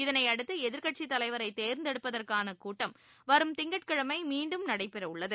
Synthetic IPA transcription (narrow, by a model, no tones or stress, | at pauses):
ɪðɐnɐɪɐɽɯt̪ːɐɛðɪɾkɐʈ̚t͡ʃit̪ːɐlɐɪʋɐɾɐɪt̪eːɾnd̪ɛɽɯpːɐðɐrkaːnɐkuːʈːɐm | ʋɐɾɯmt̪ɪŋɡɐʈ̚kɐɻɐmɐɪmiːɳɖɯmnɐɽɐɪpːɛɾɐʊɭːɐðɯ